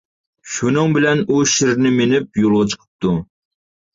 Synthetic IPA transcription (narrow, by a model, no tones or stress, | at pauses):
ʃunɨŋbɪlɛnuʃɪɾnɪmenɪp̚jolˠʁɑt͡ʃʰə̥qʰə̥p̚t̪ʰu